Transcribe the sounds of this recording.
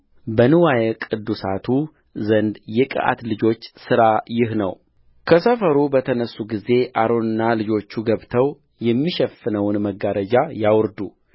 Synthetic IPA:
bənɨwajɛkʼɨd̪ːusat̪ʰu | zənd̪jɛkʼɨ̰ʔa̰t̪lɨd͡ʒo̞t͡ʃːsɨɾajɪɦnə̰w | kʰəsəfəɾubət̪ʰənəsːuɡize̞ʔaɾo̞nɨnːalɨd͡ʒo̞t͡ʃːuɡəβt̪ʰəw | jɛmːiʃɛfːɨnəwnməɡaɾəd͡ʒajawɾd̪u

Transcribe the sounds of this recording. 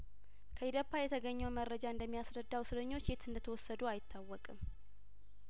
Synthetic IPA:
kʰəid̪əpʰːajɛt̪ʰəɡəɲːɛwməɾːəd͡ʒaɨnd̪əmːijasɾəd̪ːawsɨɾəɲːo̞t͡ʃːjet̪ɨnd̪ət̪ʰəwɔsːəd̪uajɪt̪ʰːawːɔkʼɨm

